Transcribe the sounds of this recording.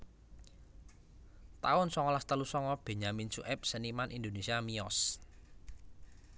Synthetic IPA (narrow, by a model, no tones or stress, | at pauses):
t̪aʊnsɔŋɔlast̪əlusɔŋɔb̥e̤ɲamint͡ʃṵʔɛp̚sənimanʔind̪onesiamiɔs